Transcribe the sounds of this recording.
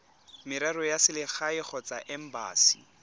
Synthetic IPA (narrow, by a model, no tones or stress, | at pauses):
mɪɾɛɾɔjasɪlɪχaɪχʰɔt͡saʔɛm̩ba̰ːsi̥